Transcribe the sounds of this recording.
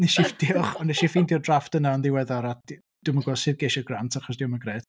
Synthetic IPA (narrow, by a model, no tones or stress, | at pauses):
nɛʃifd̥ɪɔχɔnɛʃifiːndiɔdraftənaɔndiwɛðaɾḁ | d̥uməɡwɔsɪðɡeʃɔrɡrantʰaχɔsdiwɔməɡrɛːt